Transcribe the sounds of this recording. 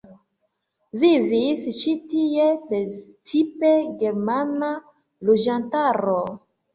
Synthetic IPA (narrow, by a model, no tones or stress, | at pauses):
vivist͡ʃitiepet͡sipeɡeɾmana | lod͡ʒantaɾo